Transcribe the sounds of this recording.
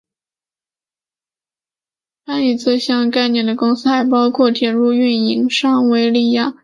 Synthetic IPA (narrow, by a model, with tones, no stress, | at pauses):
t̪ʰa˥i˨˩t͡sʰɹ̩˥˧ɕjɑ˥˧ŋka˥˧ɪnjɛ˥˩nd̪ə˩kʊ˥ŋsɹ̩˥xa˧˥ɪpɑ˥ʊkʰwɔ˥˩t͡ɕjɛ˧˥ɻu˥˧y˥˩ni˧˥ŋʂɑ˥ŋwe˧˥ɪli˥˧ja˥˩